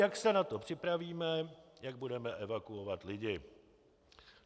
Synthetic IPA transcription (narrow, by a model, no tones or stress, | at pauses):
jaksɛnat̪opr̝̥ɪpɾaviːmɛjaɡ̚budɛmɛʔɛvakuovat̪lɪɟɪ